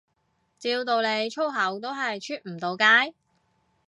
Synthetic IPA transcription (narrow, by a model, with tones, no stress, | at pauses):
t͡siː˧wt̪o˨wle˨˧jt͡ʃʰo˥wɦɐ˨˥wt̪o˥wɦɐ˨jt͡ʃʰyː˥t̚m̩˨˩t̪o˨˧wkaː˥j